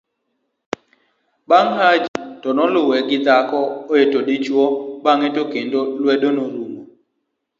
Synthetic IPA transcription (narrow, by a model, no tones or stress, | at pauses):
baŋɦad͡ʒitɔnɔlʊwɛɡɪd̪akɔojetodɪt͡ʃwɔbaŋetokendolwɛdonoɾumo